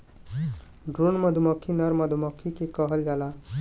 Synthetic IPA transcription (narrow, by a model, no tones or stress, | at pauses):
ɖɾunməd̪ʱuməkʰːinəɾməd̪ʱumɔkʰːikekəɦəld͡ʒala